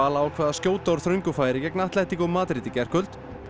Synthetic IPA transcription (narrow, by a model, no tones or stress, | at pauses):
aːlaawkʰvɛːðascoːwt̪aɔɾ̥θɾœɥɲŋkʏfaːjɾɪcɛknaht̪lɛht̪ikɔmaːt̪ɾɪt̪ɪcɛr̥kʏl̥t̪